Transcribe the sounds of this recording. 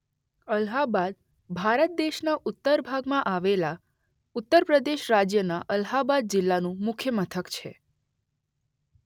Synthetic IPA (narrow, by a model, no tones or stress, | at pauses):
əlɦabad̪̚ | bʱaɾət̪̚d̪eʃnaʔʊt̪ːəɾbʱaɡmãʔaʋela | ʊt̪ːəɾpɾəd̪eʃɾad͡ʒjənaʔəlɦabad̪̚d͡ʒɪlːanũmʊkʰjəmət̪ʰəkt͡ʃʰḛ